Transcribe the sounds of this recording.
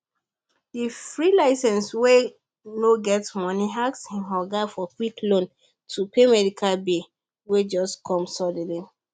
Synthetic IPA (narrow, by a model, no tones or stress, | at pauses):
difɹilaɪsɛ̃nswe | noɡɛtmɔniɦakshĩnɦɔɡafɔkwiklõn | tʰupemɛdikʰalbe | wed͡ʒɔskʰɔ̃msɔdili